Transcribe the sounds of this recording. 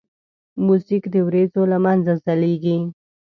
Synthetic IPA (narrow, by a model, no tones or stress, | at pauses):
musikd̪əwɾezolamanzazaleɡi